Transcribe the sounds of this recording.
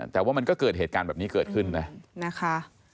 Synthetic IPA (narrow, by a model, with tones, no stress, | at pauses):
t̪ɛː˨˩waː˥˩ma˧nkɔː˥˩kɤː˨˩heː˨˩kaː˧bɛː˨˩p̚niː˦˥kɤː˨˩t̪̚kʰɯ˥˩nːa˦˥na˦˥kʰa˦˥